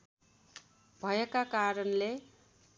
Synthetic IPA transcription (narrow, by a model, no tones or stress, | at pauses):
bʱʌjekakaɾʌnle